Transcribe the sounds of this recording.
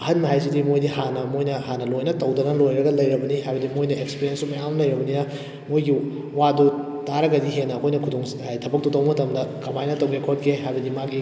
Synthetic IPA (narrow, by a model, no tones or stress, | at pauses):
ɦɐnmɐɦajs̬idimojdihanɐmojnɐhanɐlojnɐtɐwdɐnɐlojɾɐɡɐlɐjɾɐbɐniɦajbɐdimojnɐekspiɾiensumɐjawnɐlɐjɾɐbɐninɐ | mojɡi | wadu | taɾɐɡɐdiɦenːɐːkʰojnɐkʰuduŋsajtʰɐbɐk̚tutɐwmɐtʰɐmdɐkɐmajnɐtɐwɡekʰot̚kʰeɦajbɐdimaki